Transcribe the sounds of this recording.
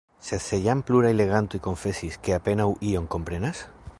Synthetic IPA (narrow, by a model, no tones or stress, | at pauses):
seθeʎampluɾaileɣ̞ant̪uiko̞ɱfesiskeapenawʔioŋkompɾenas